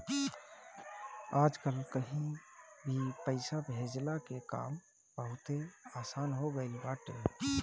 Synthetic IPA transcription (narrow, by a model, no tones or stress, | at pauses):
aːd͡ʒkəlkəɦĩbʱipəɪsabʱeːd͡ʒlakeka̰ːm | b̥əɦʊt̪eaːsaːnɦoɡəɪlbaːʈe